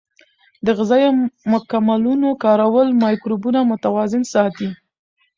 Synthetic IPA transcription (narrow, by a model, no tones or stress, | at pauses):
d̪əɣɪzɑjomʊkamalunokɑɾawəlmɑjkɾubunamʊt̪awɑzɪnsɑt̪i